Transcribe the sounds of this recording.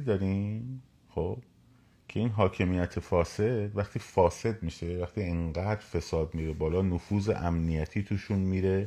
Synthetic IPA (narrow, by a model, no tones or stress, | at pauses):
d̪ɒɾiːm | xob̥̚ | cʰe̞iːnɦɒːcʰe̞mijæt̪ʰefɒːse̞d̪̥væχt̪ʰiːfɒːse̞d̪̚miːʃe̞væχt̪iːeŋɢæːd̪ɾfe̞sɒːd̪miːɾe̞bɒːlɒːnofuːzḛʔæmnijæt̪ʰiːt̪ʰuːʃunmiːɾe̞